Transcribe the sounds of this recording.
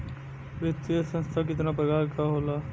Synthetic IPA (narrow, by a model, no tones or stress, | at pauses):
ʋet̪ːisə̃nst̪ʰak̬ɪt̪̬nap̬ɾɐɡaːlkaɦoːlaː